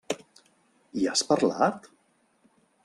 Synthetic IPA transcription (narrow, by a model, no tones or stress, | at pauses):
iaspəɾla̰t̪